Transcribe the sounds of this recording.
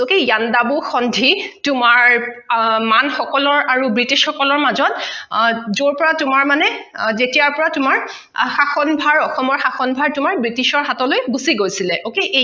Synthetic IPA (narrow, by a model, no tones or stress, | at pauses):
okejjandabuxɔndʱitʊmaɹ | manxɔkɔlɔɹaɹubɹitiʃxɔkɔlɔɹmazɔt | zoɹpɔɹatʊmaɹmanɛ | zetijaɹpɔɹatʊmaɹ | xaxɔnbʱaɹɔxɔmɔɹxaxɔnbʱaɹtʊmaɹbɹitiʃɔɹɦatɔlojɡusiɡojsilɛʔokeʔe